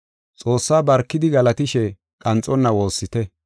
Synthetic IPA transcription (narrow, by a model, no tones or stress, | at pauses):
t͡sʼo̞ːsːaːbɐɾkːɪd̪ɪɡɐlɐt̪ɪʃɛ | kʼɐnt͡sʼɔnːɐwo̞ːsːɪt̪ɛ